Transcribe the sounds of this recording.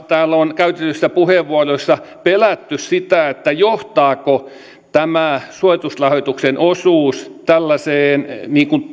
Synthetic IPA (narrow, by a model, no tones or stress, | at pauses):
t̪æːlonkæyt̪et̪ːysːæpuheʋːuɑroisːɑpelæt̪ːyssit̪æet̪ːæjoht̪ɑːko | t̪æmæsuoit̪uslɑhot̪uksenʔosuːst̪ælːæseːnniːŋkun